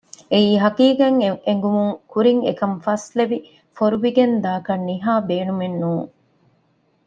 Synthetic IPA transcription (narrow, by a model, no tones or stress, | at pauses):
eiːɦɐkiːɡɐŋeŋ̆ɡumuŋkuɾiŋḛkɐmfɐsleʋi | foɾuʋiɡend̪aːkɐnːiɦaːbeːnumenːuːŋ